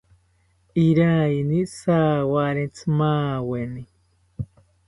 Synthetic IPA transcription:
iɾainisaːwaɾẽnt͡sɨmaːweni

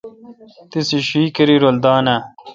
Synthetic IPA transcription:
t̪isiɕiːkɐɾiɾold̪aːna

